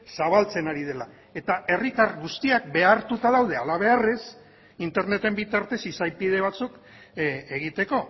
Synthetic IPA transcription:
saβalt͡se̞naɾið̞e̞la | e̞t̪ae̞rit̪arɣust̪iak̚be̞aɾt̪ut̪aðawðe̞alaβ̞e̞are̞s | int̪e̞ɾne̞t̪e̞mbit̪aɾt̪e̞sisajpiðe̞β̞at͡suk | eɣ̞it̪e̞ko̞

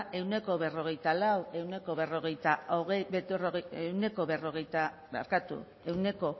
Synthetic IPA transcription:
ʔe̞wne̞ko̞βe̞ro̞ɣ̞e̞jt̪alawe̞wne̞ko̞βe̞ro̞ɣ̞e̞jt̪aoɣebet̪oroɣeewne̞ko̞βe̞ro̞ɣ̞e̞jt̪aβa̰ɾkat̪ṵ | e̞wne̞ko̞

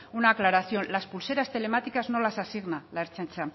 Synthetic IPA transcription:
unaːklaɾaθjo̞nlaspulse̞ɾast̪e̞le̞mat̪ikazno̞lasasiɣnalaeɾt͡ʃant͡ʃa

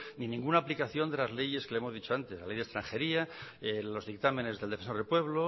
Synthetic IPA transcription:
ninĩŋɡunaːplikaθjo̞nd̪e̞lazle̞ʝe̞skeleemo̞ðit͡ʃo̞ant̪eslale̞jðe̞st̪ɾaŋxe̞ɾiaelo̞zðik̚t̪amene̞zðeld̪efenso̞ɾðelpwe̞β̞lo

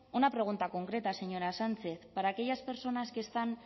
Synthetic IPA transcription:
onapɾe̞ɣ̞unt̪ako̞ŋkɾe̞t̪aseɲo̞ɾasant͡se̞θpaɾakejaspe̞ɾso̞naske̞st̪an

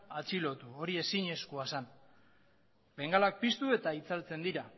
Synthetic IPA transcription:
at͡silo̞t̪uoɾie̞siɲe̞skuasan | be̞ŋɡalak̚pist̪ue̞t̪ait͡salt͡se̞nd̪iɾa

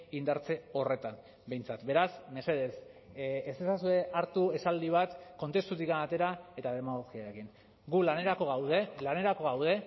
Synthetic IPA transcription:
ind̪aɾt͡se̞o̞re̞t̪am | be̞jnt͡sat̪be̞ɾasme̞se̞ðe̞sesesasue̞ʔaɾt̪ue̞sald̪iβ̞at̪ko̞nt̪e̞st̪ut̪̬ikanat̪e̞ɾae̞t̪aðe̞maɣoɣiaɾe̞kin | ɡulaneɾakoɣawðelane̞ɾako̞ɣawðe̞

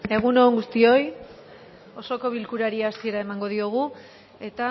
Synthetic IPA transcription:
e̞ɣuno̞ːŋɡust̪io̞j | o̞so̞ko̞βilkuɾaɾieasie̞ɾae̞maŋɡo̞ðio̞ɣ̞u | e̞t̪a

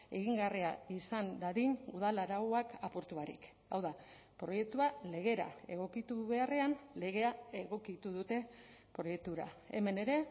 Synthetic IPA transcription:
e̞̰ɣiŋɡariaisand̪aðinuð̞alaɾawakapoɾt̪uaɾḭk | a̰wða | pɾo̞je̞k̚t̪uale̞ɣ̞e̞ɾa̰e̞ɣo̞kit̪uβe̞are̞anle̞ɣ̞e̞ae̞ɣo̞kit̪uðut̪e̞pɾo̞je̞k̚t̪uɾa̰e̞me̞ne̞ɾe̞

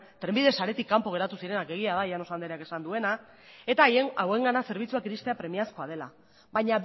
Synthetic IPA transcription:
t̪ɾe̞mbiðe̞saɾe̞t̪ikːampoɣe̞ɾat̪usiɾenake̞ɣ̞iaðajano̞sand̪eɾeake̞sand̪ue̞na | e̞t̪ajeŋawe̞ŋɡanase̞ɾβ̞it͡suakiɾist̪eapɾe̞miasko̞að̞e̞la | βaɲa

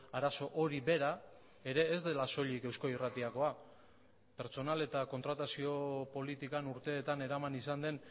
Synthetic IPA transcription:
aɾaso̞ʔo̞ɾibe̞ɾa | e̞ɾe̞ːzd̪e̞laso̞ʎike̞wsko̞irat̪iako̞a | pe̞ɾt͡so̞nale̞t̪ako̞nt̪ɾat̪asio̞po̞lit̪ikanuɾt̪e̞ːt̪ane̞ɾamanisand̪e̞n

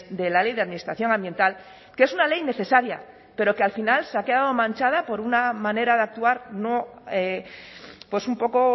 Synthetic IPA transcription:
d̪e̞lale̞jðe̞aðminist̪ɾaθjo̞ŋãmbje̞nt̪al | kee̞sunale̞jne̞θe̞saɾja | pe̞ɾo̞kealfinalse̞ake̞ðaðo̞mãnt͡ʃað̞apo̞ɾunamãne̞ɾaðeak̚t̪uaɾno̞e | pwe̞sumpo̞ko̞

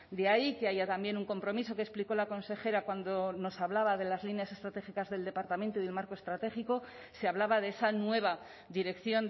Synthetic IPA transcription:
d̪eaike̞ajat̪ambje̞nuŋko̞mpɾo̞mis̬o̞kespliko̞lako̞nse̞xe̞ɾakwand̪o̞no̞saβlaβað̞e̞lazlinjase̞st̪ɾat̪e̞xikazðe̞ld̪e̞paɾt̪ament̪oiðelmaɾko̞e̞st̪ɾat̪e̞xiko̞ | se̞aβlaβaðe̞esanwe̞β̞a | d̪iɾe̞kθjo̞n

